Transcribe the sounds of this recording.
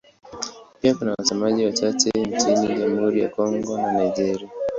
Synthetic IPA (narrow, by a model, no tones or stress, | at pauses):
piakunawasɛmaʄiwat͡ʃatɛɲt͡ʃiniʄamuhuɾija̰kɔŋɡɔnanajʄɛɾia